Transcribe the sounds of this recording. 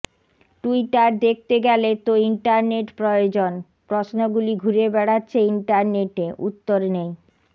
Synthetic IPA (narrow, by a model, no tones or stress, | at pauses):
ʈuiʈaɾd̪ek̚ʰt̪eɡɛlet̪oiɳʈaɾneʈpɾojod͡ʑon | pɾosnoɡuliɡʱuɾebɛɽatːɕʰeiɳʈaɾneʈeʔṵt̪ːoɾnej